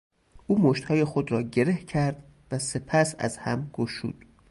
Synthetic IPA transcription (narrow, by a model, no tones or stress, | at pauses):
ʔuːmoʃt̪hɒːje̞xod̪ɾɒːɟe̞ɾehcʰæɾd̪ | væse̞pʰæsæ̰z̥hæ̰mɡ̥oʃṵːd̪̥